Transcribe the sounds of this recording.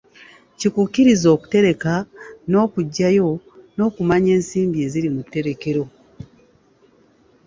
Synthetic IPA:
cikukːiɾizo̞ːku̥te̞ɾe̞kano̞ːkuɟːajo̞ | no̞ːkumaɲe̞ːnsiːmbie̞ziɾimutːe̞ɾe̞ke̞ɾo̞

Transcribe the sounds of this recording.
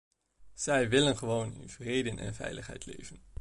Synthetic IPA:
z̥ɛjʋɪlənχəʋownɪ̰nv̥reːdənʔɛ̰nvɛ̰jləχɦɛ̰jtʰlḛːvən

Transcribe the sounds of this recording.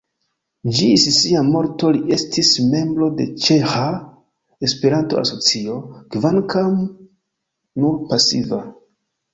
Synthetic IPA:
d͡ʒisisiamo̞ɾto̞liʔe̞stʰisme̞mbɾo̞de̞t͡ʃe̞xa | e̞spe̞ɾanto̞̰ʔa̰so̞t͡sio̞kvankam | nuɾpasiva

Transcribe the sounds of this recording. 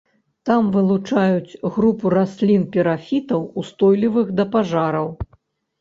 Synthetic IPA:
t̪amvɨlˠut͡ʂajut͡sʲɣɾupuɾasʲlʲinpʲɛɾafʲit̪ɐwust̪ɔjlʲivɨɣd̪ɐpaʐaɾɐw

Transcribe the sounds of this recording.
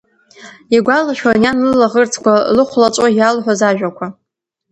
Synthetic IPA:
aɡʷalaʃᶣajanlɨlaʁərt͡sʰkʷalɨχʷlat͡ʃʷʼojalħʷozaʒᶣakʷʰa

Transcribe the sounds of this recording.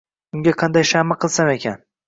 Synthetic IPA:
ʊŋɡʲaqʰɑnd̪ajʃamaqʰɨlˠsame̞kʲʰan

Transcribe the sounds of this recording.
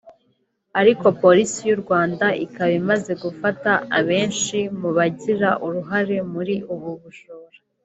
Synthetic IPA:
aɾiko̞po̞ɾisijuɾɡwaːndaʔikaβimaze̞ɡufataaβe̞ːnʃimuβaɟiɾaʔuɾuɦaɾe̞muɾiuβuβuʃoːɾa

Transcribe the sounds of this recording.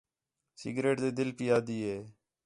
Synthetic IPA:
sɪ̰ɡɾeːʈd̪eːd̪ɪlpiːaːd̪iːɦeː

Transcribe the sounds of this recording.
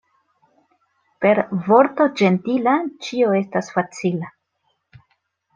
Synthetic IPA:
pe̞ɾvo̞ɾto̞d͡ʒe̞ntilat͡ʃio̞e̞stasfat͡sila

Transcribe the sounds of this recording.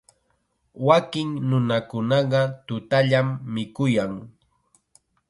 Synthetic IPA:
wakɪŋnʊnakʊnɑɢɑt̪ʊt̪aʎamːɪkʊjaŋ

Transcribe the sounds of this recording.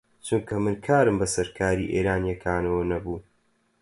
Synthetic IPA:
t͡ʃumkʰɐmɨnkʰaːɾɨmbɐsɐɾkʰaːɾiːʔḛːɾaːnjɐkʰaːnɐwɐnɐbuː

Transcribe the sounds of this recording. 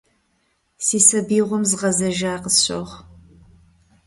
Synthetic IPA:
siːsɐbiːʁʷɔmzʁɐzɐʒaːqəsɕo̰ʁ

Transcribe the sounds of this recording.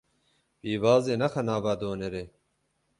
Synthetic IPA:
piːʋaːzeːnɐxɐnaːbɐd̪oːneɾe

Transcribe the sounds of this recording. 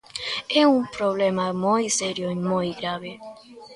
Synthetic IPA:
ɛumpɾoβlemamojseɾjoimojɡɾaβe

